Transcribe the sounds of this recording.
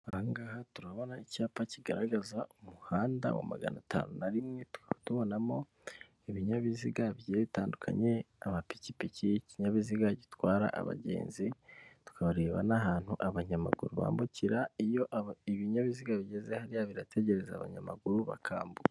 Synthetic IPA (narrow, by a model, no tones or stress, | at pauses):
aŋɡaːhatuɾaβo̞naicaːpaciɡaɾaɡazaumuhaːnda̰wa̰ma̰ɡa̰natʰa̰ːnunaɾimŋe̞tu̥kaatuβo̞namo̞ | iβiɲaβiziɡaβiɟezeβitaːndukʰa̰ɲe̞ | amapi̥cipiciciɲaβiziɡaɟitwaːɾa̰ʔa̰βa̰ɟe̞̰ːnzitu̥kʰaβaɾe̞ːβa̰naɦaːn̥huʔaβaɲama̰ɡṵɾuβa̰ːmbuciɾaijo̞ʔiβiɲaβiziɡaβiɟe̞ze̞haɾijaβiɾatʰe̞ɟe̞ɾe̞zaaβa̰ɲamaɡuɾuβa̰kʰa̰ːmbu